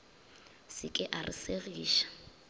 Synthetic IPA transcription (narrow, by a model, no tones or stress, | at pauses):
sɪkʼɪʔarḭseɣiːʃḁ